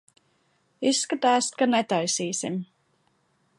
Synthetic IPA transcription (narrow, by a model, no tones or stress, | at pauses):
isːkat̪aːskanɛt̪ajsiːsim